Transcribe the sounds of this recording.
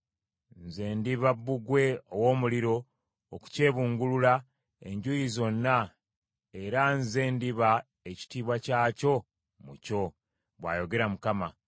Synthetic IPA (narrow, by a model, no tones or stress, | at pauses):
nzeːndiβabːuɡwe̞owo̞ːmuliɾo̞ː | ku̥ce̞ːβuːŋɡulula | e̞̰ɲɟujizo̞nːa | e̞ɾanze̞ːndiβa | eci̥tiːβwacaːco̞ | muco̞ | βwa̰ːjo̞ɡe̞ɾamukama